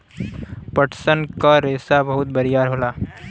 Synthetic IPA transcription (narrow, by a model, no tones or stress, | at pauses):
pəʈʰsənkaɾeːsabɐɦʊt̪̚bɐɾijaːɾɦoːlaː